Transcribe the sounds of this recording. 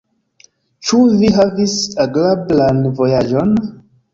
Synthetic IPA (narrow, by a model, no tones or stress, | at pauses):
t͡ʃuviɦavisaɡlablanvojad͡ʒon